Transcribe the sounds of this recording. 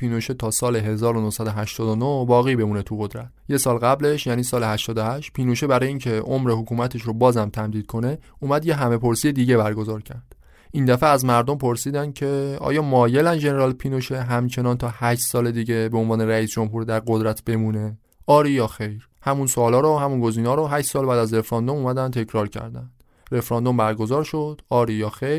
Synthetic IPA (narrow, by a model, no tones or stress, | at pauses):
piːnoʃet̪ʰɒːsɒːleɦe̞zɒːɾonohsæd̪oɦæʃt̪ɒːd̪onohbɒːɣiːbe̞muːnet̪ʰuɣod̪ɾæt̪je̞sɒːlɣæble̞ʃjæːniːsɒːlehæʃt̪ɒːd̪ohæʃt̪pʰiːnoʃebæɾɒːjeincʰe̞ʔomɾehokʰuːmæt̪ʰeʃɾobɒːzæmt̪ʰæmd̪iːd̪̥̚kʰo̞ne̞uːmæd̪je̞ɦæme̞pʰoɾsijed̪iːɟe̞bæɾɡo̞zɒːɾcʰæɾd̪̥ | ʔind̪æfeæzmæɾd̪o̞mpʰo̞ɾsiːd̪æncʰe̞ɒ̰ːjɒːmɒːje̞lænʒe̞neɾɒːlpʰinoʃeɦæmt͡ʃʰe̞nɒːnt̪ʰɒːhæʃt̪sɒːle̞d̪iːɟe̞beonvɒːne̞ɾæiːsd͡ʒo̞mɦuɾd̪æɾɡod̪ɾæt̪ʰb̥e̞muːne | ɒːɾijɒxejɾ | hæmunsoːlɒːɾɔhæmunɡo̞ziːnɒːɾɔɦæʃt̪sɒːlbæːd̪æzɾe̞fɾɒnd̪omuːmæd̪ænt̪ʰe̞cʰɾɒːɾcʰæ̰ɾd̪ænd̪̥ | ɾe̞fɾɒːnd̪o̞mbæɾɡo̞zɒːɾʃo̞d̪̥ɒːɾijɒːxejɾ